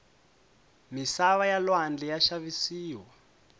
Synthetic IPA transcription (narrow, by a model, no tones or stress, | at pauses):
misaβajalwand͡ɮɛjaʃaβisiːwa